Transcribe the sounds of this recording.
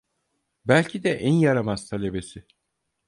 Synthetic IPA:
bælʲcʰid̪ɛʔænjaɾamazt̪ʰalʲebesɪ

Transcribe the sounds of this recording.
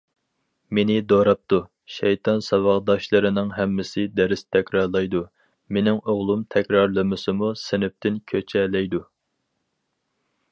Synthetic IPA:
menɪd̪oɾɑp̚t̪u | ʃɛjt̪ʰɑnsɑwɑʁd̪ɑʃlˠɨɾɨnɨŋɦɛmːɪsɪd̪ɛɾɪst̪ʰɛkʲɾɑɾlˠɑjd̪u | menɪŋoʁlˠumt̪ʰɛkʲɾɑɾlˠɨmɨsɨmusɪnɪp̚t̪ʰɪnkʲʰøt͡ʃʰɛlɛjd̪u

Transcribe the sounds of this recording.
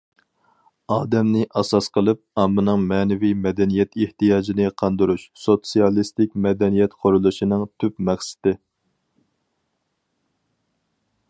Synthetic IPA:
ɑːd̪ɛmnɪʔɑsɑsqʰəlˠɨp̚ɑmːɨnɨŋmɛːnɪvimɛd̪ɛnijɛt̪ʰeht̪ijɑːd͡ʒinɨqʰɑnd̪ɨɾuʃsot̪sijɑlˠist̪ɪkʲmɛd̪ɛnijɛt̪qʰoɾulˠuʃinɨŋt̪ʰypmɛχsɪ̥t̪ɪ

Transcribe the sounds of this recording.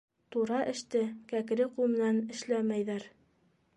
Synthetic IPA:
t̪uɾɑʔɘ̆ʃt̪ɘkækɘ̆ɾɘqumɘ̆nænɘ̆ʃlæmæjðæɾ

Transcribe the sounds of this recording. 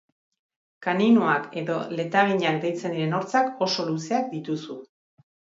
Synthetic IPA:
kaninoake̞ðo̞le̞t̪aβ̞iɲak̚d̪e̞jt͡se̞nd̪iɾe̞no̞ɾt͡sako̞so̞luse̞ak̚d̪it̪usu

